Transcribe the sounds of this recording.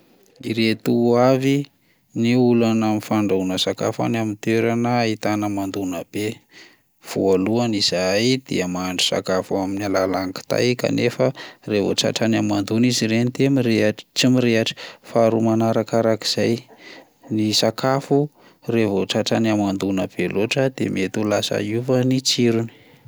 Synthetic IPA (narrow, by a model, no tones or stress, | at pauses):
iɾet̪uavi | niulanaminfaɳɖ͡ʐaunəsaka̰fa̰namint̪eɾanəit̪anəmand̪unəb̥e | v̥ualuaniz̥ajd̪̥iəmaɳɖ͡ʐu̥sa̰kafuaminalalaŋki̥t̪a̰jka̰nefərevo̰ʈ͡ʂa̰ʈ͡ʂanamand̪uniziɾenit̪emiɾeat͡simiɾeaʈ͡ʂi̥faɾumanaɾakaɾaki̥z̥aj | nisakʰafu | revoʈ͡ʂaʈ͡ʂanamand̪unəb̥eloʈ͡ʂəd̪ḛmiet̪ulasa̰uvənit͡siɾuni̥